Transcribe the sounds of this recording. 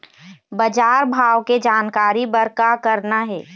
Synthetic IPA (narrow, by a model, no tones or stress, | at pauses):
bəd͡ʒaːɾbʱaːʋked͡ʒaːnkaːɾibəɾkakəɾnaɦɛː